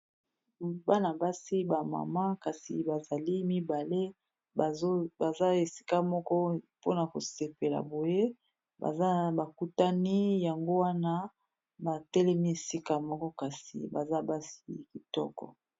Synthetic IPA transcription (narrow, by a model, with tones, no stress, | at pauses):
ba˦na˨ba˦si˦ba˨ma̰˨ma˦ka˨sḭ˨ba˨za˨li˦mi˦ba˨le˦˨˦ | ba˨za˦e˨si̥˦ka˦mɔ˦kɔ˦po˦na˨ko̰˨se˨pe˨la̰˨bo˨je˦ | ba̰˨a˦ba˨ku˦ta˦ni˦ja˨ŋɡo˦wa˦na˦ | ba˨tɛ˦lɛ˦mi˦e˨si˦ka˨mɔ˦kɔ˦ka˨sḭ˨ba̰˨za˦ba˦si̥˦ki˨tɔ̰˦kɔ̰˨